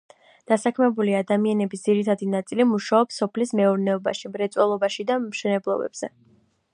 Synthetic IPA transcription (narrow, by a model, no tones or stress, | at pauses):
d̪̥asakʰmɛbuliad̪amianɛbisd̪z̥iɾit̪ʰad̪inat̪sʼilimuʃaɔpsːɔpʰlismɛuɾnɛɔba̰ʃimɾɛt̪sʼwɛlˠɔbaʃid̪amʃɛnɛblˠɔ̰bɛ̰bz̥ɛ̰